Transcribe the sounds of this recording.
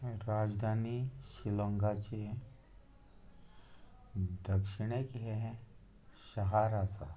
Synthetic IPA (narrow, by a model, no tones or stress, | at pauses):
ɾad͡zd̪ʱaniɕiləŋɡat͡ɕe | d̪əkʂiɽekɦɛ | ɕəɦaɾat͡sa̰